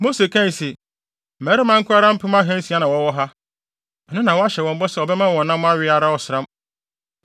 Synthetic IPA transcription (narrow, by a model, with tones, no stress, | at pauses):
mo˦se˨kʰã˦n˨se˨ | mæ˨˦ɾɪ˦mã˦ŋ̩˦kʰʊ˦a˦ɾã˦m̩˦pʰʊ˦m˦ã˦ɦɛ̃˦n̩˦si˨a˦nã˨wɔ̃˨˦wɔ˦ɦa˦ | nʊ̃˦nã˨wɔ˦a˦ɕɛ˨wɔ̃˨m̩˦bɔ˦sɛ˨ɔ˨bɛ˦mã˦wɔ̃˨nː˦ã˦m̃˦a˦ɥɪ˦a˨ɾa˦wɔ˨sɪ˨ɾã˦m